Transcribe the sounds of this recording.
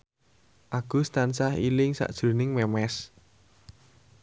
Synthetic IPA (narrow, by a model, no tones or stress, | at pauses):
ʔaɡ̥ust̪ansahilɪŋsa̰ʔd̥ʒ̥ɾo̤nɪŋmɛmɛs